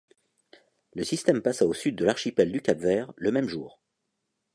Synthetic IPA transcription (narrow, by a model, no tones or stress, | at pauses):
ləsist̪ɛmpasaosyd̪̚ːəlaʁʃipɛld̪ykʲabvɛːʁləmɛmʒuːʁ